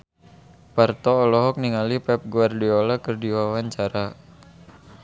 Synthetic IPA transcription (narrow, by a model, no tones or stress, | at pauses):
part̪ɔːlɔɦɔk̚niŋalipɛp̚ɡuardiɔlakərdiwawaɲt͡ʃaɾa